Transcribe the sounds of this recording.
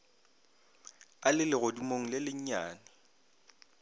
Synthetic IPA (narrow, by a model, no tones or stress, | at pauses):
alɪlɪɣodimoŋ̩lɪlɪɲ̩ɲaːnɪ